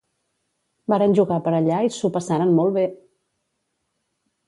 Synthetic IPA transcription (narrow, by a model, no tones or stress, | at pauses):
baɾənʲʒuɣapəɾəʎaisupəsaɾənmɔlˠβe